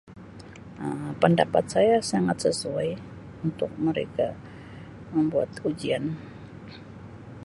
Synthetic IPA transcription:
ʔəmpəndapat̪̚sajasaŋat̪̚səsuaj | unt̪ʊk̚məɾḛka | məmbua̰t̪ud͡ʒian

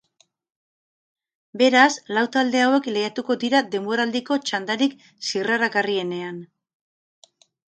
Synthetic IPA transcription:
be̞ɾaslawt̪ald̪e̞awe̞klejat̪uko̞d̪iɾad̪e̞mbo̞ɾald̪iko̞t͡ʃand̪aɾik | siɣraɾaɣarie̞ne̞an

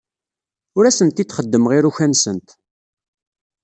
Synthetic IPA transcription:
ʊɾæsənt̪iθχəd̪ːəmʁiɾuçænsənt̪

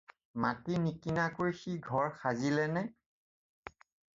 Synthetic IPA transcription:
matinikinakoɹixiɡʱɔɹxazilɛnɛ

